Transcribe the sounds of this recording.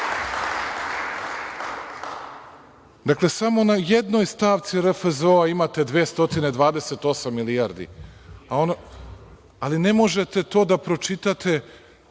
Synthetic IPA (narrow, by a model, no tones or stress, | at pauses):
d̪akle̞samo̞najed̪no̞jst̪aːʋt̪siɾefezoaimat̪e̞d̪ʋeːst̪o̞t̪ine̞d̪ʋaːd̪e̞se̞t̪o̞samːilijaɾd̪ḭaon | aline̞mo̞ʒe̞t̪e̞t̪o̞ːd̪apɾo̞t͡ʃit̪at̪ʰe̞